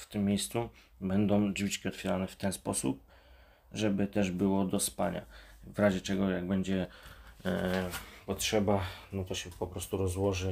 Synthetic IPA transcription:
ft̪ɘmːʲjejst̪su | bɛnd̪ɔ̃w̃d͡ʒvʲit͡ʂkʲiɔt̪fʲjɛɾanɛft̪ɛnspɔsṵp̚ | ʐɛbɘt̪ɛʐbɘwɔd̪ɔspa̰ɲa̰vɾaʑɛt͡ʂɛɡɔjaɡbɛɲd͡ʑɛ | pɔtʂɛbanɔt̪ɔɕɛpɔpɾɔst̪uɾɔzwɔʐɘ

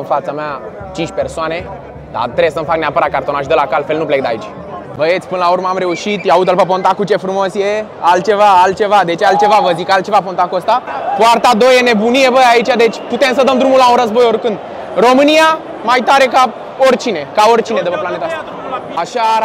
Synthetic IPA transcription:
ɨnfat̪samea | t͡ʃint͡ʃʲpe̞rsoane̞ | d̪a̰t̪ɾebsəmfakneapəɾat̪̚kart̪o̞naʃd̪əlakalfe̞lnuplek̚d̪ait͡ʃ | vəet̪sʲpɨnəlaurməamɾe̞uʃit̪jaut̪əlpəp̬o̞nt̪akut͡ʃe̞fɾumo̞sje | alt̪̚t͡ʃe̞vaalt̪̚t͡ʃe̞vad̪e̞t͡ʃalt̪t͡ʃe̞vavəzikalt̪t͡ʃe̞vapont̪akuəst̪apoart̪ad̪ojene̞bunije̞vəait͡ʃʲad̪e̞t͡ʃʲput̪e̞msəd̪əmd̪ɾumulaunɾəzbo̞jo̞rkɨnd̪ | ro̞mɨnija | majt̪aɾe̞ka | orʲt͡ʃine̞kao̞rʲt͡ʃine̞d̪əpəplane̞t̪asa | aʃa

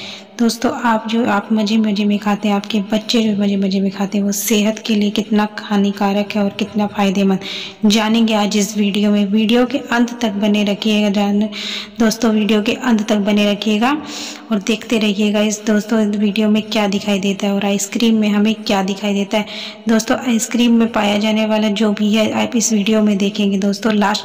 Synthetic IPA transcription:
d̪̥oːst̪õʔaːp̚d͡ʒoːʔaːpmɐd͡ʒʱemɐd͡ʒʱemẽkʰaːt̪eɦɛ̃aːpkebɐtːʃed͡ʒoːmɐd͡ʒemɐd͡ʒemẽkʰaːt̪eɦɛ̃ʋoseːɦət̪keliekɪt̪nakɐhaːnikaːɾəkɦɛɔːɾkɪt̪nafaːɪd̪emɐ̃nd̪d͡ʒaːnẽːŋɡeaːd͡ʒɪsʋiːɖijomẽʋiːɖijokeʔɐ̃nd̪ʱt̪ɐk̚bɐneɾɐkʰieːɡad͡ʒad̪oːst̪õʋiːɖijokeʔɐ̃nd̪ʱt̪ɐk̚bɐneɾɐkʰeːɡaː | ɔːɾd̪eːkʰt̪eɾɐɦieːɡaɪsd̪oːst̪õʋiːɖijomẽkjaːd̪ɪkʰaːid̪eːt̪aɦɛɔːɾaːɪskɾiːmːẽɦɐmẽkjaːd̪ɪkʰaːid̪eːt̪aɦɛː | d̪oːst̪õʔaːɪskɾiːmːẽpaːjad͡ʒaːneʋaːlad͡ʒoːbʱiɦɛaːpɪsʋiːɖijomẽd̪eːkʰẽːŋɡed̪oːst̪õlaːs

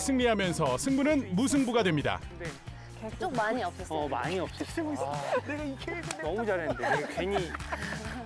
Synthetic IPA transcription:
sʰɯŋɲiɦamjʌnsʰʌsʰɯŋbunɯnmus̬ʰɯŋbuɡadwe̞mɲida̰ne | t͡ɕokmaɲiʌp̚s͈ʌma̰ɲiʌp̚s͈ʌ | neɡaikʰeeonʌmud͡ʑaɾenɯndeekeɲi

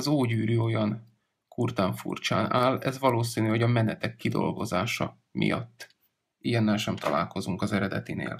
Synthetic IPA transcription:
zoːɟyːɾyo̞jɒn | kurt̪aːɱfṵrt͡ʃa̰ːnaːlɛzʋɒloːsiːniho̞ɟɒmɛnɛt̪ɛkːid̪o̞̰lɡo̞zaːʃɒ | mʔḭjɒ̰t̪ː | ijɛnːɛlʃɛmt̪ʰɒlʔa̰ːlko̞zuŋkɒzɛɾɛd̪ɛ̰t̪inḛːl

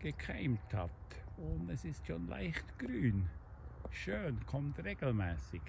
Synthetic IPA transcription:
ɡ̥əkʰaɪmthɑtʊndɛsɪstʃonla̰ɪxtɡ̥ɾyːn | ʃøːnkʰɔmtreːɡ̥l̩mɛːsɪɡ̥

